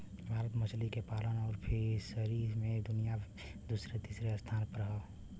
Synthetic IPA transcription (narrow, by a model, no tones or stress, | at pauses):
bʱaːɾət̪mət͡ʃʰlikepaːlənɔːɾpʰɪɾsəɾiɾmẽd̪ʊnija | d̪usɾet̪isɾeəst̪ʰaːnpəɾɦə